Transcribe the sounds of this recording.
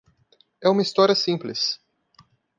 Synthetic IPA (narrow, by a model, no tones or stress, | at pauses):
ɛũmɐist̪ɔɾiɐsĩplɪs